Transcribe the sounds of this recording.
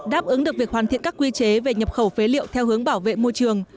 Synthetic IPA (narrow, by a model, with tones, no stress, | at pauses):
ɗaː˦˥p̚ʔɨ˨˦ŋɗɨ˨˩ək̚vi˨˩k̚hwaː˨˩nt̪ḭ˧˨nkaː˦˥kːwi˧t͡ɕe˨˦ve˨˩ɲə˨˩p̚xə˧˩wfe˨˦lḭ˧˨əwt̪ʰɛ˧whɨ˨˦əŋɓaː˧˩wvḛ˧˨mo˧jt͡ɕɨ˨˩əŋ